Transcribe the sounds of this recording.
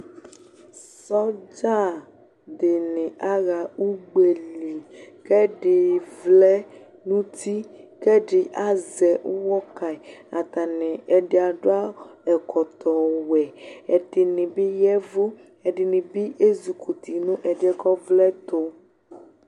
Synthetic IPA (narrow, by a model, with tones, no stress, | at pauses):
sɔ˦d͡ʒa˦ | ɖe˨nɛ̃˨ʔa˦ɣa˨u˦ɡ͡be˨li˨kɛ˦ɖe˨vlɛ˦ | nũ˦t̪i˦kɛ˦ɖe˨ʔa˦zɛ˨u˦wɔ˦ka˨i˨a˨t̪a˨nɛ̃˨ɛ˨ɖe˨a˨ɖo˦a˦ɛ˨kʰɔ˨t̪ɔ˨wɛ˨ɛ˨ɖe˨nĩ˨bi˦jɛ˦vo˦ | ɛ˨ɖe˨nĩ˨bi˦ʔe˦zu˨ku˨t̪i˨nũ˦ʔɛ˨ɖɛ˦kɔ˦vlɛ˦t̪o˦